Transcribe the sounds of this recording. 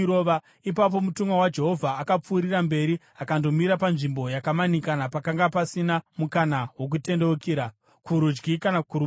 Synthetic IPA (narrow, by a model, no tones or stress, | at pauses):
oʋa | ip̬ap̬o̞mutuŋɡwawad͡ʒe̞ɦo̞vʱaːkap͡fuːɾiɾambe̞ɾi | akando̞miɾapanʐimbo̞jakamanikanapakaŋɡapasinamukanawo̞k̬ute̞ndekiːɾa | kuɾud͡ʒɡikanakuɾu